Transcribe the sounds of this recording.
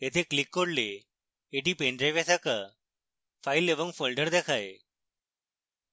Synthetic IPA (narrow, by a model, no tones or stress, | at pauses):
ɦet̪ʰeklikːoɽleː | ʈiːpeɳɖɾeʋesakə | faileʋəŋfolɖəɾd̪ekʰaj